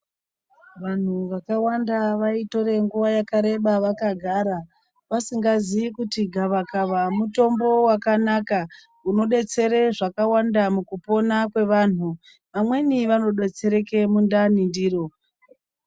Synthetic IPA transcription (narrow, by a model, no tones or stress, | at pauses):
ʋan̤uʋakawandaʋaito̞ɾe̞ŋɡuʋajakaɾe̞ɓaʋakaɡʱaɾa | ʋasiŋɡaziikutiɡʱaʋakaʋamuto̞mbo̞wakanaka | uno̞ɗe̞t͡se̞ɾe̞ʐakawandamukupo̞nakwe̞ʋan̤u | ʋamwe̞niʋano̞ɗe̞t͡se̞ɾe̞ke̞mundanindiːro̞